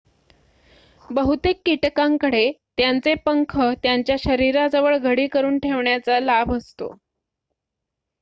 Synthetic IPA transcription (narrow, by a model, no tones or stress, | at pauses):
bəɦut̪ekːiʈkãŋkəɽet̪jant͡sepəŋkʰət̪jaɲt͡ɕjaɕəɾiɾad͡zəʋəɭɡʱəɽiːkəɾuːnʈʰeʋɳjat͡salabʱəst̪o̰